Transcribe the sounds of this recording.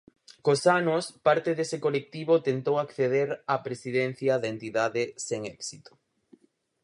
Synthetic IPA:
kosanʊspaɾt̪eðesekolek̚t̪iβot̪ent̪owakθeð̞eɾapɾesið̞en̟θjɐðɐent̪iðaðeseŋɛksit̪o̥

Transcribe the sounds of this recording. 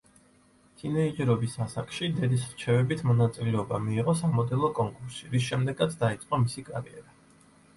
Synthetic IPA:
sʰinɛid͡ʒɛɾɔbisasakʼʃid̪ɛd̪isɾt͡ʃʰɛvɛbit̪ʰmɔnat̪sʼilɛɔbamiːʁɔsamɔd̪ɛlˠɔkʼɔŋkʼuɾsiɾis̬ʃɛmd̪ɛɡat̪sʰd̪ait̪sʼqʼɔmisikʼa̰ɾiɛ̰ɾa

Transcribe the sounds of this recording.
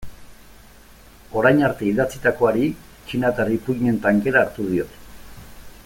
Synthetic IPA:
o̞ɾajɲaɾt̪e̞iðat͡sit̪ako̞aɾi | t͡ʃinat̪aripuɲe̞nt̪aŋke̞ɾaːɾt̪uð̞io̞t̪

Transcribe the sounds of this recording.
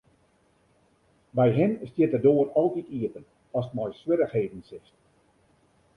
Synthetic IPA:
bɛjɦɪnstjɪtərdoərɔlˠtitiətən | ɔsətmɔjswɪɾəxheːdn̩sɪst

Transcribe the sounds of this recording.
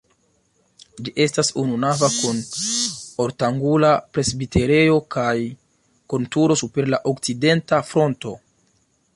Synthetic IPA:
d͡ʒiʔe̞stasununavakun | o̞ɾtaŋɡulapɾe̞sbite̞ɾe̞jo̞kaj | kontuɾo̞supe̞ɾlaʔokt͡side̞ntafɾo̞nto̞̰

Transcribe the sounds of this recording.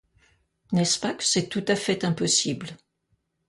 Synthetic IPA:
nɛspakə̥sɛt̪ut̪afɛt̪ɛ̃pɔsibl

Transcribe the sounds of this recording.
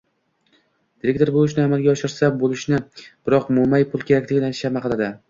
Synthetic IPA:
d̪̥ɪɾek̚t̪ʰo̞ɾbolɪʃnɪamalˠɡʲaɒʃɪɾsabolɪʃnɪb̥ɪɾɒqmʊmajpʰʊlˠkʲʰe̞ɾakʲlɪɡʲɪnanʃamaqɨlˠad̪ɪ

